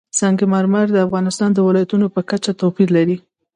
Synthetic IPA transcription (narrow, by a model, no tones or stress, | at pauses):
sɑŋɡemɑɾmaɾd̪əafɣɑnɪst̪ɑnd̪əwɪlɑjat̪unopəkat͡ʃat̪ofiɾlaɾi